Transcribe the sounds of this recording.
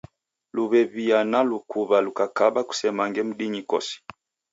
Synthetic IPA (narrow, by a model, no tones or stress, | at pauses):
luβɛβianalukuβalukakaɓaku̥sɛmaŋɡɛm̩ɗiɲikɔ̰si̥